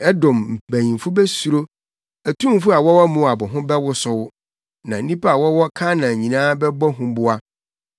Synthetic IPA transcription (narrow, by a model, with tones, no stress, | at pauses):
ɛ˦dɔ̃˨mm̩˨bæ̃˨ɲĩ˨m˨fʊ˦bɛ˦su˨ɾo˦ | æ˨tʰũ˦m˦fʊ˦a˨wɔ˦wɔ˦mũ˦˨a˨bʊ̃˨ɦʊ̃˦bɛ˦wʊ˦sʊ˦wʊ˦ | nã˨n̩˦nĩ˦pʰa˦a˨wɔ˦wɔ˦kʰã˦nã˨ɲĩ˨nãː˦bɛ˦bɔ˦ɦʊ̃˦bʊ˦a˦